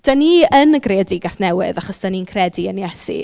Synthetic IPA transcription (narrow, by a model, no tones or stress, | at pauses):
d̥aniənəɡreɔdɪɡaθnɛwɪ̰ðaχɔsd̥aninkʰrɛdiənjɛsḭ